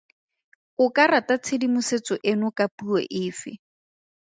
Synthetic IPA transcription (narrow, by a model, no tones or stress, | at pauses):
ʊkaratat͡sʰedimʊset͡sɔʔɪnʊkapuɔ̰ʔɪːfɪ̰